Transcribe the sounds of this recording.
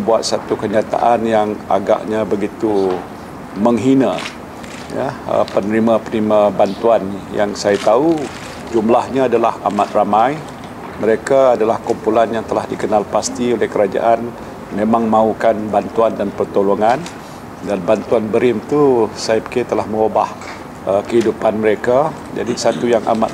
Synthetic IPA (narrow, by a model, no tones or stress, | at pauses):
buat̪̚sat̪ukəɲat̪a̰ʔanjaŋa̰ɡa̰ʔɲabəɡit̪u | məŋɦina | ja̰ə̰pənəɾimapənimabant̪uanja̰ŋsajat̪au | d͡ʒumlahɲaːdalaha̰mat̪̚ramaj | məɾekaːdalahkumpulanjaŋt̪əlahdikənalpast̪iolehkəɾad͡ʒa̰ʔan | mẽmãŋmãukanbant̪uandanpərt̪oloŋan | danbant̪uanbəɾɪmt̪usajapə̥ket̪əlahmə̃wobah | əkəɦidupanməɾeka | d͡ʒa̰disat̪ujaŋa̰mat̪